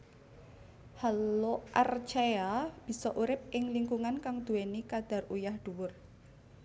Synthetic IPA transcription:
haloʔart͡ʃeab̥i̤sɔʔuɾɪp̚ʔɪŋliŋkuŋankaŋd̪̥ṳwenikad̪̥a̤rujahd̪̥ṳwʊr

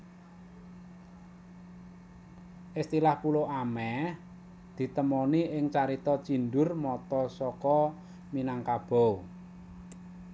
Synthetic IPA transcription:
ʔɪst̪ilahpuloʔamɛh | d̪̥i̤t̪əmɔniʔɪŋt͡ʃaɾit̪ɔt͡ʃinɖʊrmɔt̪ɔsɔkɔ | minaŋkab̥ɔ̤w

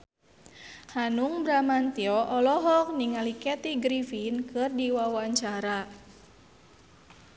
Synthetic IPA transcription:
hanuŋbɾamant̪iɔʔɔlɔɦɔk̚niŋalikɛt̪iɡɾifinkɨrdiwawaɲt͡ʃaɾa

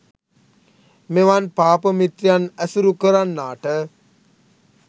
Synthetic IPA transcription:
meʋanpaːpəmit̪ɾijanæsuɾukəɾanːaːʈə

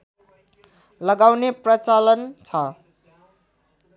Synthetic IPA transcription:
lʌɡawneprʌt͡salʌnt͡sʰʌ

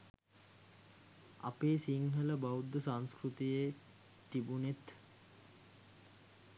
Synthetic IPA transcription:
a̰peːsiŋɦələbaud̪ːəsaŋskɾut̪ije | t̪ibunet̪

